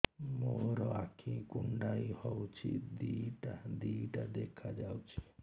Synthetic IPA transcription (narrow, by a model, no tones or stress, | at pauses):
moɾɔakʰĩkuɳɖajhɔwt͡ʃʰḭd̪iʈad̪iʈad̪ekʰad͡ʒawt͡ʃʰi̥